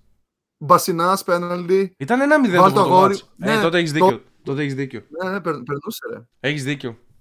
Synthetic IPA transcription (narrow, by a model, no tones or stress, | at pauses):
bɐsinɐspenɐld̪iit̪ɐnenɐmiðeɐloɐɣoɾinetot̪̬eeçizðioo | t̪ot̪eçizðiconenepeɾpeɾnuseɾḛ | eçizðiceo